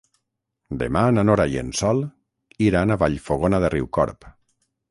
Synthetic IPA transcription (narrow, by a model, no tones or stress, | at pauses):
d̪ḛmananoɾaiḛnsɔlˠ | iɾanaβaʎfoɣonaðeriwkɔ̰ɾp